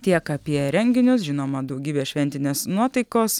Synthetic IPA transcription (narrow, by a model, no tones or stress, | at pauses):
t̪ʲiɛkɐpʲiɛɾʲɛŋʲɡʲɪnʲʊsʒʲɪnoːmɐd̪ɒʊɡʲiːbʲeːʃʲʋʲɛnʲt̪ʲɪnʲeːsnuɔt̪ɐɪkoːs